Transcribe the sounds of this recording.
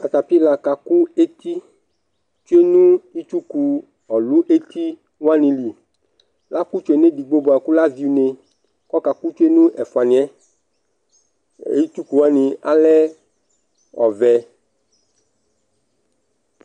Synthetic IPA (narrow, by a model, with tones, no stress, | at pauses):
a˨t̪a˨pi˦la˨ka˨ku˦e˦t̪i˦ | t͡ʃo˦e˦nũ˦i˦t͡ʃu˦ku˨ | ɔ˨lu˦ʔe˦t̪i˦ | wa˦nĩ˨li˨ | la˦ku˦t͡ʃo˨e˨ne˦di˨ɡ͡bo˦bo˨a˨ku˦la˦vi˨˦u˨ne˨ | kɔ˦ka˨ku˦t͡ʃo˦e˦nũ˦ʔɛ˨fu˨a˨nĩ˨ɛ˦ | i˦t͡ʃu˦ku˨wa˦nĩ˨a̰˦lɛ˦ | ɔ̰˨vɛ˨